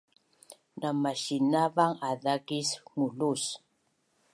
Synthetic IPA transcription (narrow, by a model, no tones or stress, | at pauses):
namaʃinavaŋaðakismulus